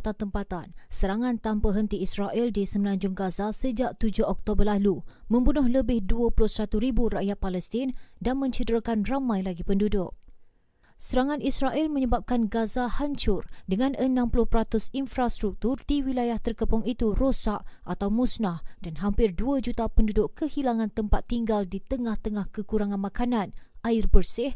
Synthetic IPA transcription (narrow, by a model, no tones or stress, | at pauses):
t̪at̪əmpat̪ansəɾaŋãnt̪ampaɦənt̪iːsraʔildisəmənãɲd͡ʒʊŋɡazasəd͡ʒaʔ̚t̪ud͡ʒʊhɔk̚t̪obərlalumə̃mbunʊhɦləbɪhduəpulʊhsat̪uɾiburaʔjat̪̚palɛst̪ɪndanmə̃ɲt͡ʃədəɾakanramãjlaɡipəndudʊk̚ | səɾaŋãnisraʔilmə̃ɲəbap̚kanɡazahaɲt͡ʃʊrdəŋãnʔənãmpulʊhpəɾat̪ʊsinfɾast̪ɾuk̚t̪ʊrdiwilajaht̪ərkəpʊŋit̪urosaʔʔat̪awmusnahd̥anɦampɪrduad͡ʒut̪apəndudʊʔkəhilaŋãnt̪əmpat̪ːiŋɡaldit̪əŋaht̪əŋahkəkuɾaŋãnmãkanãnʔaɪrbərsɪh